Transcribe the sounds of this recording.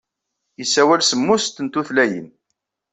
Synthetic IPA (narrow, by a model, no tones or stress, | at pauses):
isːæwælsəmːʊst̪ənt̪uθlæjə̰n